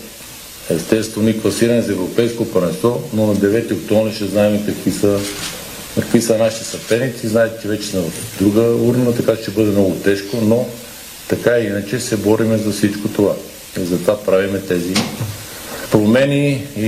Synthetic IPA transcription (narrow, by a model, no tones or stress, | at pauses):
ɛst̪ɛtsst̪vɛnoiklˠɐsiɾɐnɛzɐɛvɾopɛjskopɐɾɛsɔnonɐd̪ɛvɛt̪iokt̪ɔɾiʃt̪ɛznaɛmɛkɐkisə | kəkvisənaʃit̪ɛ̥sɐpɛnit̪siznaɛt̪ɛ̥t͡ʃɛvɛt͡ʃɛsmɛd̪ɾuɡəuɾnət̪ɐkaʃt̪ɛbɤd̪ɛmnɔɡʊt̪ɛʃkono | t̪ɐkaɛinət͡ʃɛsɛbɔɾimɛzɐfsit͡ʃkot̪ova | izɐt̪ovapɾavimɛt̪ɛzi | pɾomɛnii